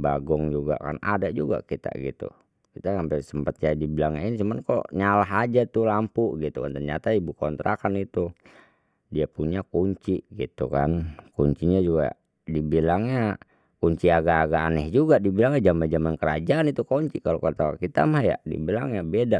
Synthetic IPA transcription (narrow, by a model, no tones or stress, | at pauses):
baɡɔŋd͡ʒuɡa̰ʔka̰na̰dad͡ʒuɡa̰kit̪a̰ɡḭt̪ṵ | kit̪asampɛsəmpət̪̚jadibilaŋaint͡ʃumankɔ̰ʔɲalaɦad͡ʒat̪ulampuʔɡit̪ukant̪ərɲat̪aibukɔnt̪ɾakanit̪u | diapuɲakuɲt͡ʃiʔɡit̪uka̰nkuɲt͡ʃiɲad͡ʒuɡa̰ʔ | dibilaŋɲa | kuɲt͡ʃiaɡaʔːɡaːnɛhd͡ʒuɡadibilaŋjad͡ʒamand͡ʒamankəɾad͡ʒaʔːnit̪ukɔɲt͡ʃikalokət̪awakit̪a̰mahja̰dḭbilaŋɲabeda